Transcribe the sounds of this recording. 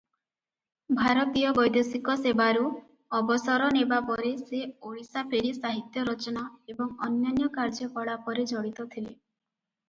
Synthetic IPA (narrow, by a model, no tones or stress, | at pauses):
bʱaɾɔt̪ijɔbɔjd̪esikɔsebaɾu | ɔbɔsɔɾɔnebapɔɾeseoɭisapʰeɽisaɦit̪jɔɾɔt͡ʃɔnaebɔŋɔnjanjɔkaɾd͡ʒɔkɔɭapɔɾed͡ʒɔɽit̪ɔt̪ʰile